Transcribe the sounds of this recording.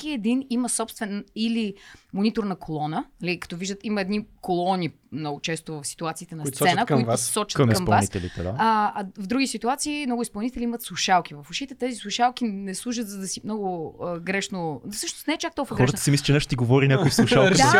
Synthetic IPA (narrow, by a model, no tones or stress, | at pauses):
kiɛd̪iniməsɔpst̪vɛnilimonit̪oɾnɐkʰolˠɔnənɐlikɐ̥t̪ɔviʒd̪ət̪imɐɛd̪nikolˠɔni | mnɔɡʊt͡ʃɛst̪ʊvɐfsi̥t̪uat̪siːt̪ɛnɐsssɛnəkoivassɔt͡ʃɐ̥tmksmpɐlvasit̪ɛlit̪ɛd̪a̰aɐvd̪ɾuɡʲisit̪uat̪siːmnɔɡʊispɐlˠnit̪ɛliimət̪slˠʊʃalˠk̟ivɐfʊʃit̪ɛt̪ɛzislˠuʃalˠk̟inɛslˠuʒ̬ət̪zɐd̪ɐsimnɔɡʊəɡɾɛʃnosɤʃno̥st̪nɛɛt͡ʃakt̪ɔlˠkvɐɡɾɔɛzd̪ə̥siɛmislit͡ʃɛnɛʃt̪ot̪iɡovɔɾinʲakoifsˠuʃalˠd̪